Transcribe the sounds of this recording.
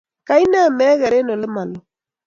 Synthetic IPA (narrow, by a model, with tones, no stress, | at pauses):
ka˦i˦na˦˨mɛː˦ɣɛ˨ɾe˦no˨lɪ˦ma˨lɔ˨